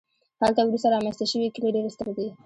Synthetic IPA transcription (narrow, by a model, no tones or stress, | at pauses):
halt̪awɾust̪aɾɑmenst̪aʃəwikəleɖeɾest̪əɾd̪i